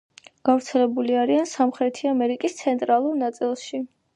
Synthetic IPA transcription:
ɡ̥avɾt̪sʰɛlɛbuliaɾiansamχɾɛt̪ʰiamɛɾikʼist̪sʰɛnt̪ʼɾalˠuɾnat̪sʼilˠʃi

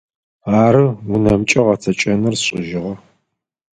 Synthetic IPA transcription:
aːɾɨunɐmt͡ʃʼɐʁɐt͡sʰɐt͡ʃʼɐnɨrɕʼɪʒɪʁɐ

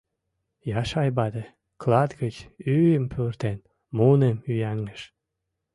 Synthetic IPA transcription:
jɑʃɑjbɑd̪e | klɑd̪ɡət͡ɕyjəmpʰørt̪en | munemyjæŋːəʃ

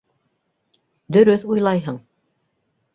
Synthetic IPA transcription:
d̪ɵ̆ɾɵθujlˠɑjɦɤɴ

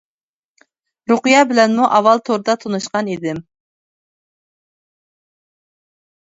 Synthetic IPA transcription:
ɾuqɨjɑbɪlɛnmuʔɑwɑlˠt̪ʰoɾd̪ɑt̪ʰonuʃqɑnid̪ɪm

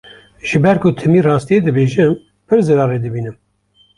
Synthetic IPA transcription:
ʒ̥ɨbɛɾkʰʊt̪ʰɛmiːrɑːst̪ijed̪ɨbeːʒɨm | pʰɨɾzɨɾɑːɾeːd̪ɨbiːnɨm

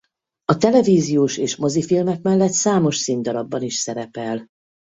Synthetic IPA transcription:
ɒt̪ɛlɛviːzijoːʃeːʃmo̞zifilmɛkmɛlːɛt̪saːmo̞ʃsind̪ɒɾɒbːɒniʃsɛɾɛpɛl

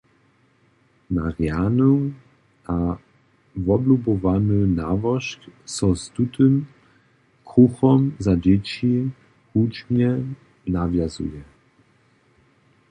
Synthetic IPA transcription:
na̰ʁjanu | a | vɔblubɔvanənavɔʃksɔst̪ut̪ɨm | kɾuxɔmzad͡ʑɛt͡ɕi | hut͡ʃɲɛ | navjazṵjɛ

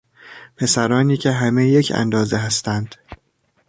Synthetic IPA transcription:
pʰe̞sæɾɒːniːcʰe̞ɦæme̞je̞cʰæ̰nd̪ɒːzeɦæst̪ænd̪̥

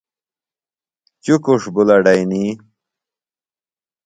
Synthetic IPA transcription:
t͡ɕukuʂbulɐɖajni

